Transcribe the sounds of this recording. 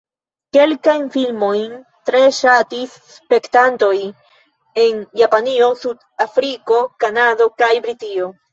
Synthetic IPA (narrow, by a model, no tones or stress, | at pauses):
ke̞lkajnfilmo̞jn | tɾe̞ʃatisːpe̞ktanto̞j | e̞njapanio̞sud | afɾiko̞kanado̞kajbɾitio̞